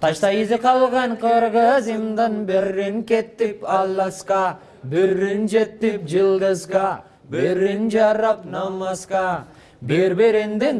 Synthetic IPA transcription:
t̪ʰɑʃt̪ɑjizɪqɑlˠʁɑɴqʰɯɾʁɯzɯmd̪ɑnbeɾːiŋket̪ːipɑlˠːɑsqɑ | biɾːind͡ʒet̪ːip̚d͡ʒɯlˠd̪ɯzqɑ | beɾind͡ʒɑɾɑpnɑmɑsqɑ | beɾbeɾend̪in

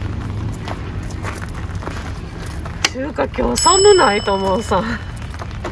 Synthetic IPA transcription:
t͡ɕɨːkakʲo̞ːsamɯ̟nait̪omosã

